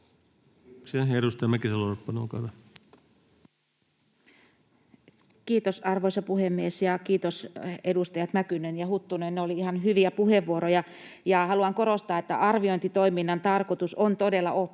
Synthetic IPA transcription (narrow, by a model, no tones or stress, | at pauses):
seeɾust̪ɑmækiselːoopːɑnoːkɑʋ | kiːt̪osɑrʋoisɑpuhemːiesjɑkiːt̪osedust̪ɑjɑt̪nækynenjɑhut̪ːunenːeoliihɑnɦyʋiæpuheʋːuoɾojɑ | jɑhɑluɑŋkoɾost̪ɑːet̪ːæʔɑrʋioint̪it̪oiminːɑnt̪ɑrkot̪usont̪odelːɑʔo